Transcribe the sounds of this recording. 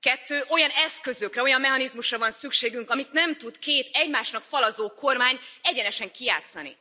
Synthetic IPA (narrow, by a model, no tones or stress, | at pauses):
kɛt̪ːøːʔo̞jɒnɛskø̞zøkrɛo̞jɒmːɛɦɒnizmuʃrɒvɒnsykʃeːɡyŋkɒmit̪nɛmt̪ut̪keːt̪ɛɟmaːʃnɒkfɒlɒzoːko̞rmaːɲɛɟɛnɛʃɛŋkija̰ːt̪sɒnḭ